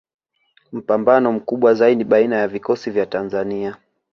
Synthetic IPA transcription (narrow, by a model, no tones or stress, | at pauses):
m̩pambanɔm̩kuɓwazaiɗiɓainajavikɔsivjatanzania